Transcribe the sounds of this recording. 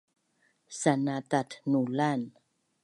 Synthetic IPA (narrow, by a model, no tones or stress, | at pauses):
sanatatnulan